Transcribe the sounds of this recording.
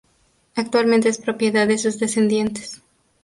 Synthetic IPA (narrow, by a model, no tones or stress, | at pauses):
ak̚t̪walmẽnt̪eespɾopjeðaðesuzðesend̪je̞nt̪e̥s